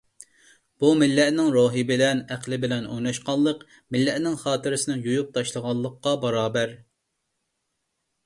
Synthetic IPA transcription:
b̥umɪlːɛʔnɪŋɾoːɦɨbɪlɛnæqlˠɪbɪlɛno̰jnɑʃqɑlˠːəq | mɪlːɛʔnɪŋχɑːt̪ɪɾɪsɪnɪŋjujup̚t̪ʰɑʃlˠəʁɑlˠːəqːɑbɑɾɑːbæɾ

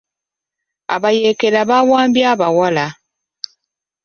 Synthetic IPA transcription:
a̰βaje̞ːke̞laβawaːmbjaːβawala

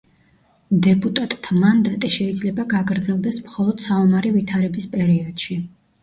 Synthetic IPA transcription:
d̪ɛpʼut̪ʼat̪ʼt̪ʰamand̪at̪ʼiʃɛid̪zlɛbaɡaɡɾd̪zɛlˠd̪ɛsmχɔlˠɔd̪̥saɔmaɾivit̪ʰaɾɛbispʼɛɾiɔd̪̥ʃi

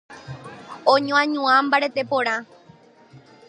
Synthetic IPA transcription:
õɲõãɲũãmbaɾe̞t̪e̞põɾ̃ã

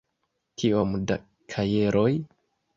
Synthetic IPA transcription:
kiomda̰ | kʰajeɾʔoj

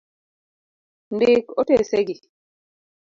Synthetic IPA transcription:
ndɪkoteseɡi

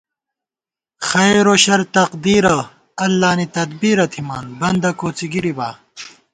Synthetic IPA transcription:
xɐjɾoːɕɐɾt̪ɐqd̪iːɾɐ | ɐlːaːnit̪ɐd̪biːɾɐt̪ʰimaːnbɐnd̪ɐkoːt͡siɡiɾibaː

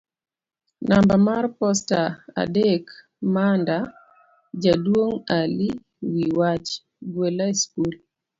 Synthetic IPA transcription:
nambamarpɔstaa̰dek | manda | d͡ʒadwoŋali | wiwat͡ʃ | ɡwelaeskul

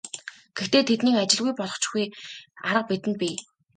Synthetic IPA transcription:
ɡ̥ext̪eːt̪ʰet̪niːkat͡ɕɪ̆ɮɣujpɔɮʁɞ̆χt͡ɕxujaɾə̆q̚pit̪ɘ̆npʲiː

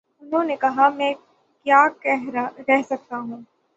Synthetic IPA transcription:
ʊnɦõːnekɐɦamɛ̃ː | kjaːkɛɦɾɛɦsɐk̚t̪aɦũː

